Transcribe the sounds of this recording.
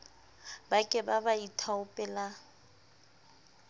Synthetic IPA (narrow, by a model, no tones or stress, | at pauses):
bakʼɪbabaitʰaʊpʼɛla